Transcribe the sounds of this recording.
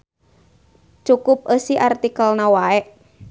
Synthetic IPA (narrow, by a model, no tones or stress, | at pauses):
t͡ʃukʊp̚əsiʔart̪ikəlnawaɛʔ